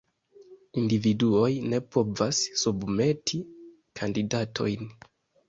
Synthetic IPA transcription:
individuo̞jne̞po̞vasːubme̞tʰi | kʰandidatʰo̞̰jn

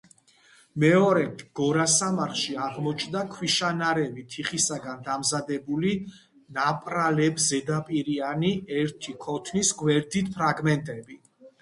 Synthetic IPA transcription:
mɛɔɾɛɡ̥ɔɾasamaɾχʃiaʁmɔt͡ʃʰnd̪akʰwiʃanaɾɛvit̪ʰiχisaɡand̪amzad̪ɛbuli | napʼɾalɛbzɛd̪apʼiɾianiɛɾt̪ʰikʰɔt̪ʰnisɡwɛɾd̪it̪pʰɾaɡmɛnt̪ʼɛbi

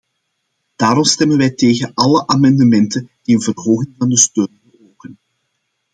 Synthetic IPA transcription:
d̥aːɾɔmstɛmənʋɛjteːɣənʔɑləʔamɑndəmɛntənd̥iənvərɦoːɣɪŋvɑndəstøːnbəroːkən

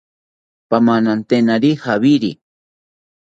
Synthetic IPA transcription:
pamanant̪enaɾihaβiɾi

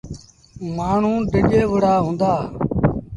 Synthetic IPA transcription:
maːɳ̤ũːɖʱəɠeːʋəɽaːɦõːnd̪aː

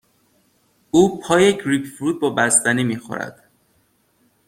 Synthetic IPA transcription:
uːpʰɒːjeɡɾiːpfɾuːd̪̚bɒːbæst̪æniːmiːxo̰ɾæ̰d̪̥

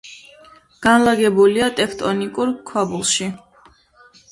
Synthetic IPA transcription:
ɡ̥anlaɡɛbuliat̪ʼɛkʰt̪ʼɔnikʼuɾkʰwabulˠʃi

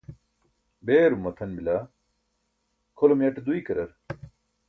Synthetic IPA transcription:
beːɾumːɐt̪ʰɐnbila | kʰolomjɐʈd̪uikɐɾɐɾ

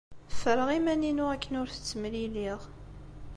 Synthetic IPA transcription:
fəɾəʁimæninʊækːənʊɾθə̥t͡sːəmliliʁ

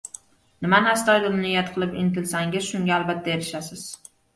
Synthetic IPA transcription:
nɪmanast̪ɒjd̪ʊɾnɪjːat̪qʰɨlˠɪpɪnt̪ʰɪlsaŋʲɪz̥ʃʊŋɡʲaːlbat̪ʰːaeɾɪʃasɪz̥

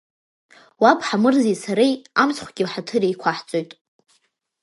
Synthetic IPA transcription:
wapʰħamɨrzisaɾejamsχʷɡʲiwħatʰɨɾejkʷʰaħt͡sʼo̞jtʼ

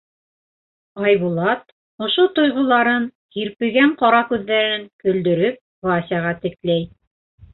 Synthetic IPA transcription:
ɑjβulˠɑt̪̚ | ŏʃot̪ŏjʁŏlˠɑɾɤn | hiɾpɘ̆ɡæɴqɑɾɑkʉðːæɾɘ̆ɘŋkɵ̆ld̪ɵ̆ɾɵp̚vɑsʲɑʁɑt̪ɘ̆klæj

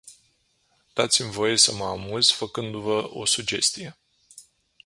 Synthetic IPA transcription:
d̪̥at̪simvo̞je̞səməamuzfəkɨnd̪uvəʔo̞sud͡ʒe̞st̪ije̞

